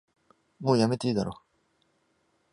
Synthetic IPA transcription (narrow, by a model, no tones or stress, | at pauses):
moːjame̞t̪eiːd̪aɾoː